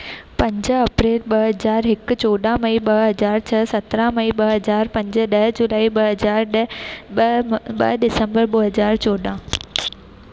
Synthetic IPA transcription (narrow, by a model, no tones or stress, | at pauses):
pɐ̃ɲd͡ʑəɐpɾeːlɓɐɦɐzaːɾɦɪkt͡ɕoːɗãmɐiɓɐɦɐzaːɾt͡ɕʰɐsɐt̪ɾãmɐĩɓɐɦɦɐzaːɾpɐ̃ɲd͡ʑə̆ɗɐɦd͡ʑulaːiɓɐɦɐaːɾɗ | ɓɐ̰ɦɗɪsə̃mbəɾɓɐɦɐzaːɾt͡ɕoːɗãː